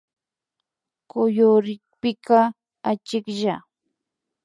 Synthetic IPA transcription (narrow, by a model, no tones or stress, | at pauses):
kʊjʊɾɪkpɪka | at͡ʃɪkʎa